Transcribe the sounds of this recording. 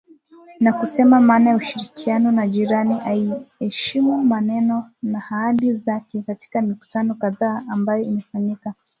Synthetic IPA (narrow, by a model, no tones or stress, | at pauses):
nakusɛmamaːnajauʃiɾikianɔnaʄiɾaniʔaiɛʃimumanɛnɔnahaaɗizakɛkati̥kamiku̥tanɔkaðaːambajɔimɛfaɲika